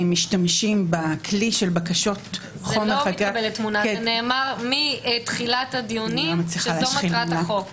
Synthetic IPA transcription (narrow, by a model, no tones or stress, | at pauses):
mːiʃtamʃimbakʰliʃelbakaʃo̞t | χomeaɡabeletːmunaneːmaʁmitχilatadioniamat͡sliχaleaoiʁanaok